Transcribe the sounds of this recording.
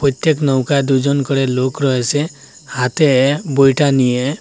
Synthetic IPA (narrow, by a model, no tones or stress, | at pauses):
pɔt̪jeknɔwkad̪ud͡ʒɔnkɔɽelokɾɔɦese | hat̪ebojʈanie